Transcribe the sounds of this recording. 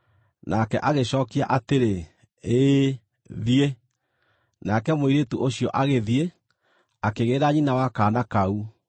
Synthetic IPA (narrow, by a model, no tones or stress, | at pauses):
nʔakɛ̰ʔaɣeɕɔːkia̰ʔateɾe | e | ðie | nakɛmoiɾetuʔoɕjɔʔaɣeðie | akeɣeːɾaɲinawakaːnakau